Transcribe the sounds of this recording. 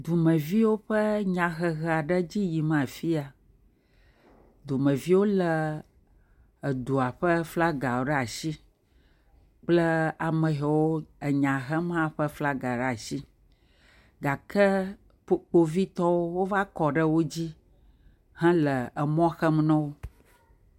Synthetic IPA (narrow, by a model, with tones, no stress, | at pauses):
d̪u˨mə̃˨vi˦wo˦ɸə˦ɲã˨ɣə˨ɣə˨a˨ɖə˦d͡ʑi˦ji˨mã˨fi˦a˨ | d̪u˨mə̃˨vi˦wo˦lə˨ | ə˨d̪u˨a˨ɸə˦fla˦ɡa˨wo˨ɖɛ˦a˨ʃi˦ | k͡plə˦a˨mə̃˨ɦɛ˨wo˦ə˨ɲã˨ɦə˦mã˦˨ɸə˦fla˦ɡa˨ɖɛ˦a˨ʃi˦ | ɡa˨kə˦ | ɸo˨k͡po˨vi˦t̪ɔ˦wo˦wo˦va˦kɔ˨ɖə˦wo˦d͡ʑi˦ | hɛ̃˦lə˨ə˨mɔ̃˦xə˦m˦nɔ̃˦wo˦